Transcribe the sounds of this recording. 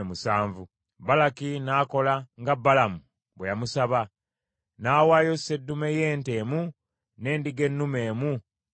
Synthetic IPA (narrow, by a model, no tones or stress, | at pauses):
musaːɱvu | balakinaːko̞laŋɡabːalamu | bwejamusaβa | naːwaːjo̞se̞dːume̞je̞ːnte̞ːmu | ne̞ːndiɡe̞nːume̞ːmu